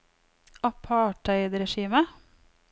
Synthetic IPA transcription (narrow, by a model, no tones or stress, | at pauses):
ɑpʰɑːʈæɪd̪ɾɛʃiːmə